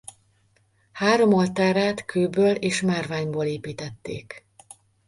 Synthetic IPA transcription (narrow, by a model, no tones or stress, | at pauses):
haːɾo̞molt̪aːɾaːt̪kʰøːbøːleːʃmaːrvaːɲboːleːpiːt̪ɛt̪ːḛːk